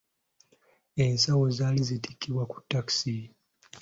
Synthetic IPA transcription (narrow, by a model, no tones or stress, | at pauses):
e̞nsawo̞zaːlizitikːiβwaku̥tːaksi